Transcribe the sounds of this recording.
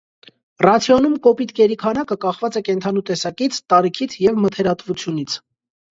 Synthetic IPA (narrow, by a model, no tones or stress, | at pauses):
rɑt͡sʰjɔnumkɔpit̪kɛɾikʰɑnɑkəkɑχvɑt͡sɛkɛnt̪ʰɑnut̪ɛsɑkit͡sʰt̪ɑɾikʰit͡sʰjɛvmət̪ʰɛɾɑt̪vut͡sʰjunit͡sʰ